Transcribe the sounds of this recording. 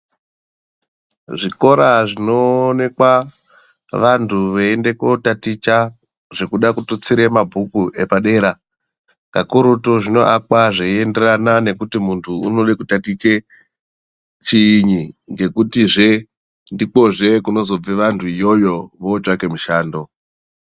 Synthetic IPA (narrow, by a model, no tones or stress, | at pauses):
ʐiko̞ɾaʐino̞ne̞kwa | ʋantʰuʋeende̞kotatit͡ʃa | ʐekuɗakutut͡siɾe̞mabʱukuʔe̞paɗe̞ːɾa | ka̰kuɾutoʐino̞ʔakwaʐeie̞nde̞ranane̞kutimuntʰuunolekutatit͡ʃe̞ | t͡ʃiːɲiŋɡe̞kutiʐe̞ | ndik͡po̞ʐe̞kuno̞zo̞b͡veʋantʰuijo̞jo̞ʋoːt͡ʃake̞muʃaːndo̞